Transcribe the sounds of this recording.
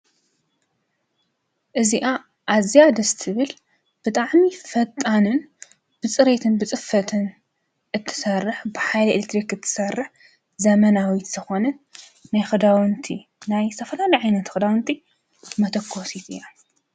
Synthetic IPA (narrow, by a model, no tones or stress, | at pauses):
ʔɨziʔa | ʔːzijad̪ɐst̪ʰɨβɨl | b̥ɨt̪ʼaʕmifɐt̪ʼːanɨn | b̥ɨt͡sʼɨɾet̪ʰɨnbɨt͡sʼɨfɐt̪ʰɨn | ʔɨt̪ʰːɨ̥sɐrːɨħbɨħajlɐelek̚t̪ɾikɨt̪ʰːɨ̥sɐrːɨħ | zɐmɐnawit̪zɨxonɐnː | ajxɨd̪awnt̪ʰḭnajst̪ʰɐfɐlalɐjʕajnɐt̪xɨd̪awnt̪ʰi | mɐt̪ʰɐkʰːosit̪ɨjːa